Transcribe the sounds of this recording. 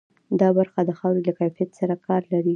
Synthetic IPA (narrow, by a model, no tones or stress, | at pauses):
d̪ɑbaɾxad̪əxɑwɾelakajfijat̪saɾakɑɾlaɾi